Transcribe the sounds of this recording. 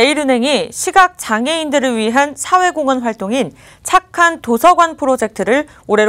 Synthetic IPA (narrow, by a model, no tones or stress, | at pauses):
eiɾɯne̞ŋiɕʰiɡak̚t͡ɕ͈aŋe̞indɯɾɯɭɥiɦansʰawe̞ɡoŋɯnɸwaɭt͈oŋin | t͡ɕʰakʰantosʰʌɡwanpʰɯɾod͡ʑe̞k̚tʰɯɾɯɭ | oɾe̞